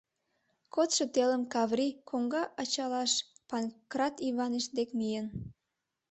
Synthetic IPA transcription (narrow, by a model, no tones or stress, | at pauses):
kot̪ʃet̪eləmkɑβrikʰoŋɡɑʔɑt͡ɕɑlɑʃpɑnkrɑt̪iβɑneʃd̪ekmijen